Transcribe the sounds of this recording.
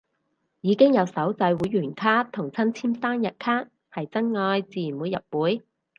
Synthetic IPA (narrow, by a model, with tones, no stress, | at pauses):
jiː˨˧kɪ˥ŋjɐ˨˧wsɐ˨˥wt͡sɐ˧jwuː˨˥jːyː˨˩nkʰaː˥t̪ʰʊ˨˩ŋt͡sʰɐ˥nt͡sʰiː˥mt̪aː˥njɐ˨t̚kʰaː˥n̚ | hɐ˨jt͡sɐ˥nŋɔː˧jt͡siː˨˩˨muː˨˧jɐ̰˨t̚wuː˨˥j